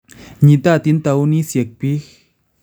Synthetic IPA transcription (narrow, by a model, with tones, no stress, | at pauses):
ɲĩ˧t̪a˦˨t̪i˧˦nt̪a˧wnĩ˦sje˨k̚pi˦x